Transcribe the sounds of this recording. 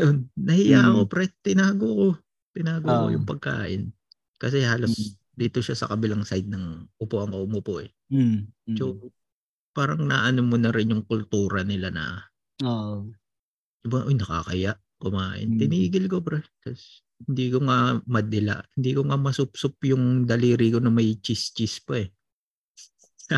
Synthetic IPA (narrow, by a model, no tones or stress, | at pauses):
ɐjonːɐhɪjaʔɐko̞pɾɛt̪ɪnaːɡoko̞ | t̪ɪnaːɡoko̰jʊŋpɐɡ̚ka̰ːʔɪn | kɐsɛhaːlo̞s | d̪iːt̪oʃasɐ̰kɐbɪlaŋsajd̪̚nɐŋʔʊpoʔɐŋkomopoʔɛ | so | paːɾɐŋna̰ʔɐnomonɐɾɪnjʊŋkʊlt̪uːɾɐnɪlanɐ̰ | oʔ | t͡ʃʊbaʔojnɐka̰kɐjaʔ | kʊmaːʔɪ̰nt̪ɪniːɡɪlkopɾɛkɐs | hhɪnd̪iːkoŋamɐd̪ɪla̰ʔhɪnd̪iːkoŋamɐsʊp̚sʊpjʊŋd̪ɐliːɾikonɐmɐjt͡ʃist͡ʃispɐɛ